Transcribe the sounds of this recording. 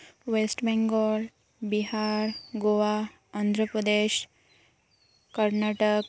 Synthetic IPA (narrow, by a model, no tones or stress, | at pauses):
ʋesʈbɛŋɡɔl | biɦaɾɡoʋa | and̪ʱɾəpɾəd̪eɕ | kəɾnaʈək